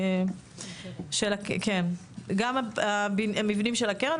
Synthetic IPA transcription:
ʃelakken | ɡamaabinamivnimʃelakeʁen

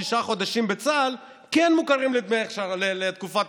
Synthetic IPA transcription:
iʃaχo̞d̪aʃimbe̞t͡sal | kɛnmukaʁimlit̪meeχʃalelet̪kufat̪

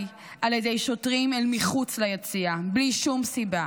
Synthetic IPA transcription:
ʔaljedejʃo̞tʁimelmiχut͡slajet͡siabliʃumsiba

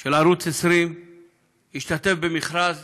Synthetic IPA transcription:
ʃelaɾut͡sesɾim | jiʃt̪at̪e̞fbemiχɾaz

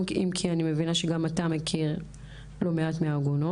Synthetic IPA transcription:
imkʰianime̞vinaʃeɡamatame̞kʰiʁ | lo̞meatmeaɡono

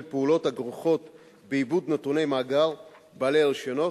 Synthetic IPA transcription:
lpeulo̞thaɡʁuχo̞t̪ | beibud̪nat̪une̞jmaːɡaʁ | balealʃono

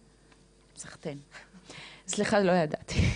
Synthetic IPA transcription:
saχt̪en | sliχalojad̪at̪i̥

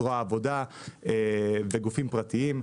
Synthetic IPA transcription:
ʁoaːvo̞d̪a | eveɡufimpʁat̪iim

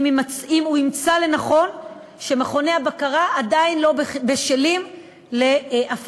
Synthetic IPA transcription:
mmaimuimt͡sale̞naχo̞n | ʃe̞meχo̞neabakaʁaʔːdainlo̞bbe̞ʃelim | le̞ʔaf

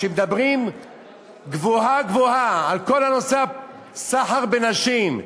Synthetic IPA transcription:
ʃemed̪abʁim | ɡvohaɡvohaalko̞lano̞sa | saħaʁbenaʃim

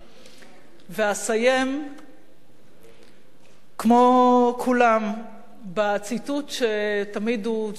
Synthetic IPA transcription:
veasaje̞m | kmo̞kʰulam | bat͡situt̪ʃetamid̪u

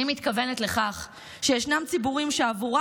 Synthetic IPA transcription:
imit̪kave̞ne̞t̪le̞χaχ | ʃejeʃnamt͡sibuʁimʃeavuʁa

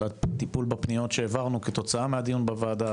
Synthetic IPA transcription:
at̪ipulbapnijo̞t̪ʃeːvaʁnuket̪o̞t͡saamead̪ijunbavaːd̪a

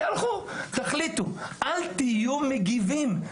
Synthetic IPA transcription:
alχut̪aχlit̪uʔalt̪ijumeɡivim

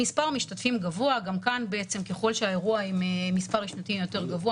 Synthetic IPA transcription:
ispaʁmiʃtatfimɡavoaɡamkanbeet͡semke̞χo̞lʃeae̞ʁuaimemispaʁiʃnat̪ijo̞te̞ʁɡavoa

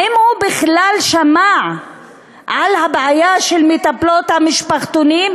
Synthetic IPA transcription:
ʔimhubiχlalʃamaʕ | ʕalhabʕajaʃelmit̪aplot̪hamiʃpaχt̪onim

